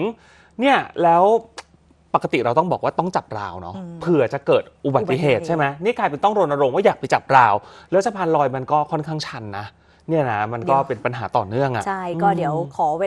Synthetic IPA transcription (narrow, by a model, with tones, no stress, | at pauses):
ni˥˩ɐlɛː˦˥w | pa˨˩ka˧t̪ḭ˨˩ɾa˧wt̪ɔ˥˩ŋbɔː˨˩k̚waː˥˩t̪ɔ˥˩ŋt͡ɕa˨˩p̚ɾa̰ː˧wnɔ̰˦˥pʰɯ˨˩ɐt͡ɕa˨˩kɤː˨˩t̪̚ʔu˨˩ba˨˩˨i˧˩ɦeː˨˩t̪̚t͡ɕa˥˩jma˦jniː˥˩kaː˧jpe˧nt̪ɔ˥˩ŋɾo˧nʔa˧ɾo˧mwa˥˩jaː˨˩k̚pa˧jt͡ɕa˨˩p̚ɾaː˧wlɛː˦˥wsʰa˧pʰaː˧nlɔː˧jma˧nkɔː˥˩kʰɔ˥˩nkʰa˥˩ŋt͡ɕʰa˧˥nːa˦˥ | ni˥˩ɐna˦ma˧nkɔː˥˩pe˧npa˧nɦa̰ː˩˦t̪ɔː˨˩nɯ˥˩əŋʔa̰˨˩t͡ɕʰa˥˩jɔː˥˩di˩˦əwkʰɔː˩˦˧